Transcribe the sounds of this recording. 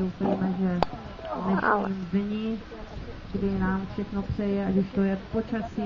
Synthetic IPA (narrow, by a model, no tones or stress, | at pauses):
owfɛimɛʒɛ | dnɛʃɲiːmdɲɪ | ɡdɪnaːmfʃɛxno̞pr̝̥ɛjɛaɡɪʃt̪o̞jɛpo̞t͡ʃasi